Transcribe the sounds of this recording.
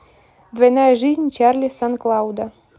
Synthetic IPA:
d̪vɐjnajəʐɨzʲnʲt͡ɕarlʲisanklˠɑwd̪a

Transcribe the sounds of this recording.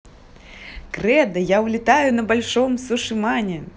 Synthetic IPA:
kɾɛd̪ɐjawlʲit̪ajʊnɐbalʲʂɔmsuʂɨmanʲɛ

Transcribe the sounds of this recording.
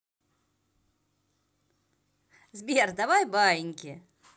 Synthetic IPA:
zbʲerd̪avajbajɪnʲkʲɪ

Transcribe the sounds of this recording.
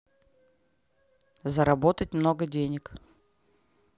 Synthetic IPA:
zəɾɐbo̞t̪ətʲmno̞ɡədʲenʲɪk

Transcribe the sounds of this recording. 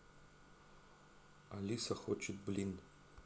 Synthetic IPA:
alʲisaxot͡ʃet̪̚blin

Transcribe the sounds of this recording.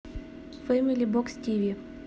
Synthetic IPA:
fɛmʲilʲibɔkstʲiʋʲi

